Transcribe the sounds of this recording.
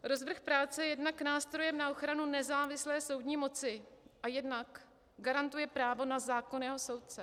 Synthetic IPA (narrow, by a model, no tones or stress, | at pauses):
ɾo̞zvr̩xpɾaːt͡sɛjɛdnaknaːst̪ɾo̞jɛmnaʔo̞xɾanunɛzaːvɪslɛːso̞wdɲiːmo̞t͡sɪʔajɛdnak | ɡaɾant̪ujɛpɾaːvo̞nazaːkonjɛɦo̞so̞wt̪̚t͡sɛ